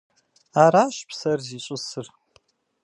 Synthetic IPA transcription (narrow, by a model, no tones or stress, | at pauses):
aɾaːʃpʰsɐrziɕʷʼʊsɨr